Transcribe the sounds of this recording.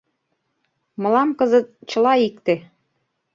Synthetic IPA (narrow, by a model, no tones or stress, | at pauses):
mɤ̆lɑmkɤzə̆t̪̚t͡ɕə̆lɑikt̪e